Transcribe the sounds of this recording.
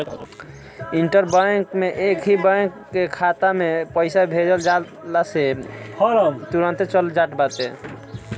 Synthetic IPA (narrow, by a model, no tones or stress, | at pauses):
iɳʈəɾbãŋkmeʔekɦibaŋkːekʰat̪amepəɪsabʱed͡ʒəld͡ʒal | lase | t̪uɾə̃nt̪et͡ʃəld͡ʒaʈbat̪e